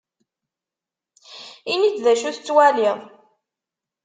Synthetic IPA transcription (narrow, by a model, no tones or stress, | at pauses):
init͡sːðæʃuθət͡sːwæliʁˤ